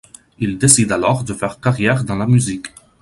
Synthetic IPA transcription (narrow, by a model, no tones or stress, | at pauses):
ild̪esid̪alɔʁd̪əfɛʁkaʁjɛʁd̪ɑ̃lamyzik